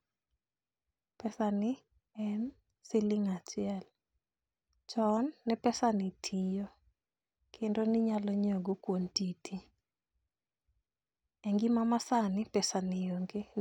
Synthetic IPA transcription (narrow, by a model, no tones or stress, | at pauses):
pɛsanɪ | ɛn | sɪliŋat͡ʃɪɛl | t͡ʃɔnːɛpɛsanitʰijo | kʰendonɪɲalɔɲoɡokwontitʰi | ɛŋɡimamasanɪpɛsanɪoŋɡe